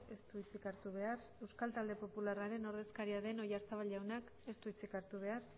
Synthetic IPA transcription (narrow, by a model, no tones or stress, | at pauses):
e̞st̪uit͡sikaɾt̪uβ̞e̞ar | e̞wskalt̪ald̪e̞po̞pularaɾe̞no̞ɾðe̞skaɾiaðe̞no̞jaɾt͡saβ̞alʎawnak | e̞st̪uit͡sikaɾt̪uβ̞e̞ar